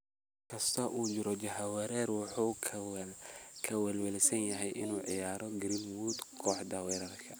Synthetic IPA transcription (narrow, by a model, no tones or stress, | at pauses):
kʰɐst̪ʰɔʔuːt͡ʃɪɾɔd͡ʒɐɦɐwɛɾɛːrwɑħu | kʰɐwɛlwɛlɪsɐnjɐɦɛjʔɪnuːʕɪjaːɾɔɡɪɾinwuːd̪kʰɔːħd̪awɛːɾɐðkʰɐ